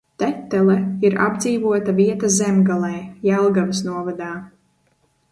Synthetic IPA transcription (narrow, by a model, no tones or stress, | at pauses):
t̪ɛt̪ːɛlˠɛiɾa̰bd̪ziːvuɔt̪aviɛt̪azɛmɡalˠɛjjælˠɡavisnuɔvad̪aː